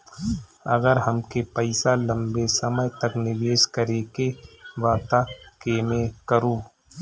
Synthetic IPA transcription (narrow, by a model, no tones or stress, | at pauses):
ɐ̰ɡəɾɦɐmkepəɪsalə̃mbesɐməjt̪ɐknɪʋeːʃkəɾeːkeʋaːt̪akeːmẽkəɾuː